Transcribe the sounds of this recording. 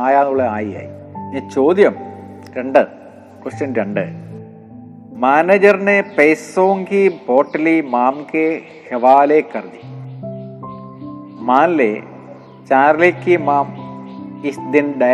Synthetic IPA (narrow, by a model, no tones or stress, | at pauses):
aːjaːnuɭeaːjija̰ːjḭnit͡ɕoːd̪jɐm | ɾeɳɖɨ | kest͡ɕɐnɾeɳɖɨ | maːneːd͡ʑɐrnepejsoːŋɡiboːʈːɐlimaːmke | heʋaːlekːɐrd̪i | maːnlḛ | t͡ɕaːrlikːimaːm | isd̪inɖɐ